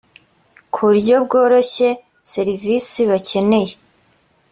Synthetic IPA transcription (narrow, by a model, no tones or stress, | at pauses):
kʰuɾɟo̞bɡo̞ːɾo̞çe̞ | se̞ɾivisiβace̞ne̞je